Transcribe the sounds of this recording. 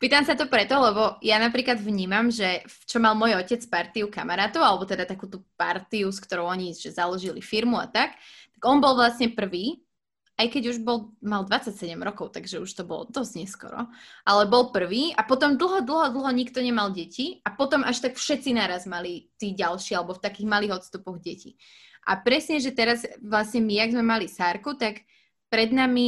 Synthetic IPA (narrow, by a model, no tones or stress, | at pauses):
piːt̪amsat̪ɔpɾɛt̪ɔlɛbɔjanapɾiːklad̪ʋɲiːmamʒɛt͡ʃɔmalmɔjɔcɛt͡spaɾt̪iukamaɾaːt̪ɔʊalɛbɔt̪ɛd̪at̪akuːt̪uːpa̰ɾt̪iuskt̪ɔɾɔʊɔɲiʒ̥ɛzalɔʒilḭfiɾmua̰t̪akt̪aɡɔnbɔlˠʋlasɲɛpr̩ʋiː | ʔajkɛɟuʒbɔlˠmald̪ʋat͡sacsɛɟɛmɾɔkɔʊt̪aɡʒɛuʃt̪ɔbɔ̰lɔ̰d̪ɔzɟɲɛskɔ̰ɾɔ̰ʔalɛbɔlpr̩ʋiːapɔt̪ɔmd̪l̩ˠɦɔd̪l̩ˠɦɔd̪l̩ɦɔɲikt̪ɔɲɛmalɟɛciapɔt̪ɔmʔaʃt̪akfʃɛt̪t͡sinaːɾazmalit̪iːɟalʃiːalɛbɔft̪akiːɣmaliːɣɔt̪st̪upɔɣɟɛcḭ | ʔa̰pɾɛsɲɛʒɛt̪ɛɾazʋlasɲɛmiaɡzmɛmalisaːɾkut̪ak | pɾɛd̪nami